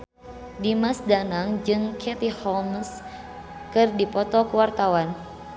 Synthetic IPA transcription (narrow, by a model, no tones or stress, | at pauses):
dimasdanaŋd͡ʒɨŋkʰɛt̪ihɔms | kɨrdipɔt̪ɔkuwart̪awan